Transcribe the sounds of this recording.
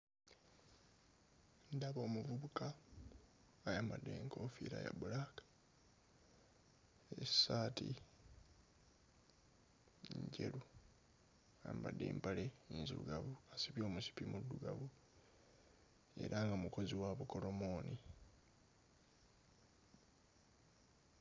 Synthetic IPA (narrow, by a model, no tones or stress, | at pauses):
ndaβo̞ːmuvuβuka | jambadːe̞ŋkʰofḭːɾaja̰bulakḁ | esaːtʰḭ | ɲɟe̞̰lu | ambadːḛːmpale̞inzuuɡavuasipjo̞ːmusi̥pimudːuɡavu | e̞̰ɾʔaŋɡamuko̞ziwaβuko̞lo̞mo̞ːni